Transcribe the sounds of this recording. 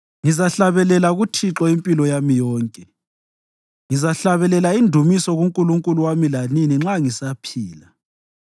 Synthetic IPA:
ŋizaɬaβɛlɛlaɣutʰiǁɔimpʼilɔjamijɔːŋkʼɛ | ŋizaɬaβɛlɛlaindʱumisɔɣuŋkʼuluŋkʼuluwamilaniniŋ͡ǁaŋisapʰiːla

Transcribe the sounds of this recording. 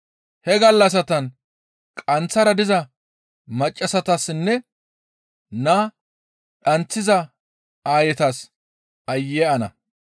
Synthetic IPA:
hɛɡɐlːɐs̬ɐt̪ɐn | kʼɐnt͡sːɐɾɐd̪ɪzɐ | mɐt͡ʃʼːɐsɐt̪ɐsnːɛ | naː | ᶑɐnt͡sːɪzɐ | aːjɛt̪ɐs | ɐjːeʔɐnɐ̰

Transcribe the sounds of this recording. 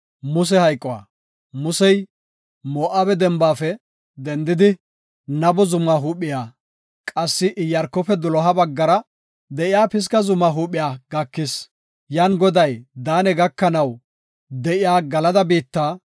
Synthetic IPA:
mʊs̬ɛhɐjkʼːɔwa̰ː | mʊsɛj | mɔːʔabɛd̪ɛmbaːfɛ | d̪ɛnd̪ɪd̪ɪ | nɐbɔzʊmːaɦuːpːɪjaː | kʼɐsːɪʔɪjːɐɾkːɔfɛd̪ʊlɔɦɐbɐɡːɐɾɐ | d̪ɛʔɪjaːpɪs̬kɐzʊmːaːɦuːpʼːɪjaːɡɐkːɪs | jaːnɡɔd̪ɐjd̪aːnɛɡɐkːɐnɐw | d̪ɛʔɪjaːɡɐlɐd̪ɐbiːt̪ːaː

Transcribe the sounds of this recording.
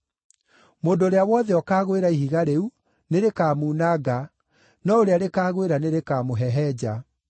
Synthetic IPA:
moːndooɾeawɔðɛɔkaːɣweɾaihiɣaɾeu | neɾekaːmunaɡa | nɔoɾeaɾekaːɣweɾaneɾekamoɦɛɦɛd͡ʑa

